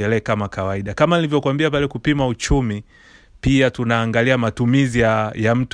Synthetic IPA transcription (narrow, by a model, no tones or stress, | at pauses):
ɛlɛkamakawaiɗakamanilivjɔkwambiapalɛkupimaut͡ʃumi | piatunaːŋɡaliamatumiziajam̩t